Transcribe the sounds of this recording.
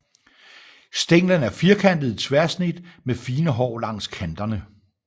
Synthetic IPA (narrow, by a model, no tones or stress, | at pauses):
sd̥eŋ̰lən̩æɐfiːɐkʰænd̥ð̞̩ˠit͡sʰʋæɐ̰snid̥mefiːnəɦɒ̰ːlɑ̈ŋ̰skʰænd̥ɐnə